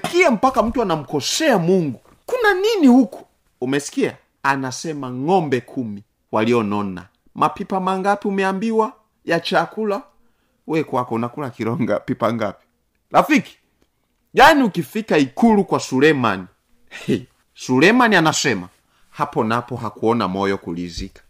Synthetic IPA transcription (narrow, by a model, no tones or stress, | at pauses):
kiam̩pakam̩tuanam̩kɔsɛamuŋɡu | kunaninihuku̥ | umɛsi̥kia̰ | anasɛmaŋɔmbɛkʰumi | waliɔnɔna̰ | mapipamaŋɡapiumɛambiwa | jat͡ʃakula | wɛkwakɔunakulakiɾɔŋɡa̰pipaŋɡapi̥ | lafiki̥ | ʄaniukifikaikulukwasulɛmani | ɛ | sulɛmanianasɛma | hapɔnapɔɦakuɔna̰mɔjɔkulḭzikḁ